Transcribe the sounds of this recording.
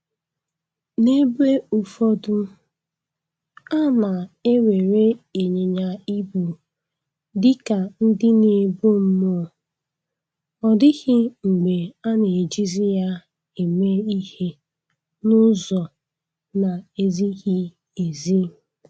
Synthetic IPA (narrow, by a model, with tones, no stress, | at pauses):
ne˦be˦u˨fɔ˦dʊ˦ | a˦na˨e˦we˨ɾe˦e˨ɲe˨ɲa˨i˦bu˨ | dɪ˦ka˨n̩˦dɪ˦ne˨bo˦m̩˦mo˦˨ | ɔ˨dɪ˦ɣɪ˦ŋ͡m̩˨ɡ͡be˨a˦ne˨d͡ʒi˦zi˦ja˦ | e˨me˦i˦he˦ | nʊ˦zɔ˨ | na˨e˦zi˦ɣi˦ | e˨zi˦